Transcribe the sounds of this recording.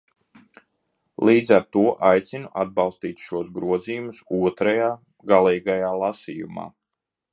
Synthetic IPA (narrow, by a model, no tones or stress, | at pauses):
lˠiːd̪zaɾt̪uɔʔajt̪sinuʔad̪̚bɑlˠst̪iːt̪ʲʃuɔsɡɾuɔziːjumusuɔt̪ɾajaː | ɡalˠiːɡajaːlˠasiːjṵma̰ː